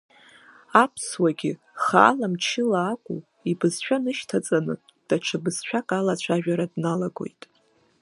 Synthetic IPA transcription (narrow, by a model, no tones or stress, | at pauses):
apʰswaɡʲɪ | χa̰ːlamt͡ʃʰɪlaːkʷʼṵ | ibɨzʃᶣanɨʃtʰat͡sʼanɨ | d̥at͡ʃʰɨbɨz̥ʃᶣakʼalat͡ɕʷʰaʒᶣaɾadnalaɡo̞̰jtʼ